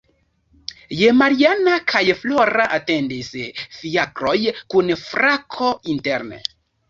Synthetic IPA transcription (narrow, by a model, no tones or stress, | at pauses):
jemaɾianakʰajfloɾaʔate̞ndisfiakɾojkunfɾakʰointeɾnḛ